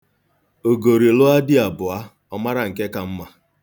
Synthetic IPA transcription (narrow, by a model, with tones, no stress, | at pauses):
o˨ɡo˨ɾi˨lo˦a˦dɪ˦a˨bʊ˨a˦ | ɔ˦ma˦ɾa˨ŋ̩˨ke˦ka˨m̩˦ma˦